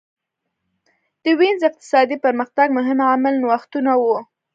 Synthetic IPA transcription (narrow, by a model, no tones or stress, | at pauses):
d̪̥əwinzɪq̚t̪ɪ̥sɑd̪ipəɾməxt̪aɡ̚mʊɦɪmamalnwaxt̪unawu